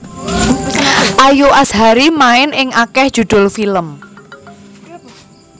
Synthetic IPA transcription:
ʔajoʔasɦaɾimaɪnɪŋʔakɛhd̥ʒ̥ṳd̪̥ʊ̤lfiləm

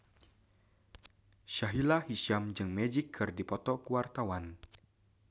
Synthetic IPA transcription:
ʃaɦilahiʃamd͡ʒɨŋmɛd͡ʒikʰːɨrdipɔt̪ɔkuwart̪awan

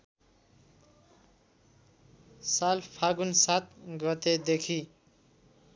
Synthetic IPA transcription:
salpʰaɡunsat̪̚ɡʌt̪ed̪ekʰi

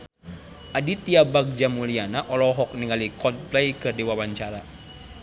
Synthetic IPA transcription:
ʔadit̪iabak̚d͡ʒamulianaʔɔlɔɦɔk̚niŋalikɔnplɛjkɨrdiwawaɲt͡ʃaɾa

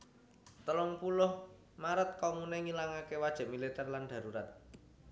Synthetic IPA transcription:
t̪əlɔŋpulʊh | maɾət̪̚kɔmunɛŋilaŋakewad̥ʒ̥a̤ʔmilit̪ɛrland̪̥a̤ɾuɾat̪̚

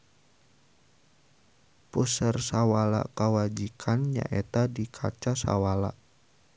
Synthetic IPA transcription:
pusərsawala̰kawad͡ʒikʰanɲa̰ʔet̪adikʰat͡ʃasa̰wala̰ʔ

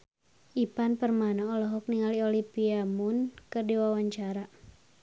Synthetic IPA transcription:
ʔipanpərmanaɔlɔɦɔk̚niŋaliɔlipiamunkɨrdiwawaɲt͡ʃaɾa

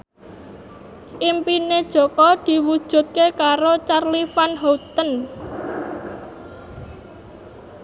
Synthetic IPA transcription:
ʔimpined̥ʒ̥o̤kɔd̪̥i̤wud̥ʒ̥ṳt̪̚kekaɾot͡ʃarlifanɦot̪ən

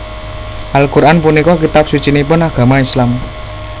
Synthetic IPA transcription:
ʔalkuɾʔanpunikɔkit̪ap̚sut͡ʃinipʊnaɡ̥a̤maislam

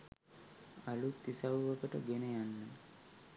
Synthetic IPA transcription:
alut̪ːisawʋəkəʈəɡenejanːə

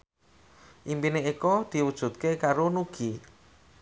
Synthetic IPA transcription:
ʔimpineikɔd̪̥i̤wud̥ʒ̥ṳt̪̚kekaɾonuɡ̥i

